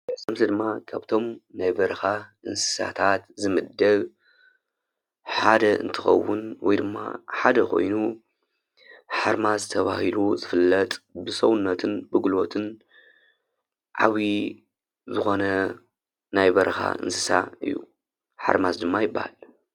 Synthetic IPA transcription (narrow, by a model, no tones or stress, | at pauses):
zɐmt̪ʰɐd̪ɨmːakʰaβt̪ʰo̞mnajbɐɾɐxaʔɨnsɨ̥sa̰t̪ʰat̪zɨmɨd̪ːɐɡ | ħad̪ɐʔɨ̰nt̪ʰɨxɐ̰wːʊnwɔjd̪ɨmːa̰ħad̪ɐkʰo̞̰jnu | ħaɾmazɨt̪ʰɐβahiluzɨfɨlːɐt̪ʼbɨsɐwʊnːɐt̪ʰɨnbɨɡulo̞t̪ʰɨn | ʕaβi | zɨxo̞nɐ | najbɐɾxa̰ʔɨ̰nsɨsa̰ɨ̰jːṵ | ħa̰ɾmazd̪ɨmːajɪbːa̰hal